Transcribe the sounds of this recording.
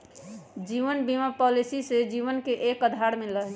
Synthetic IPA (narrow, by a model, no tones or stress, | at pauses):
d͡ʒiʋənbimapɔlisised͡ʒiʋənkeʔekəd̪ʱaɾmeləɦ